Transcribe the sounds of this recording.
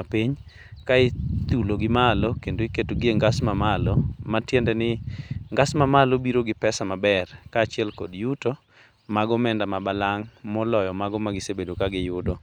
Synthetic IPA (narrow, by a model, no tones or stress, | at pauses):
apiɲ | kaɪt̪uloɡɪmalokendoiketoɡɪeŋɡasmamalɔmatjɛndɛnɪŋɡasmamalobiɾoɡɪpɛsamabɛrkaːt͡ʃɪɛlkɔdjuto | maɡɔmɛndamabalaŋmɔlɔjɔmaɡɔmaɡɪsebedokaɡɪjʊdo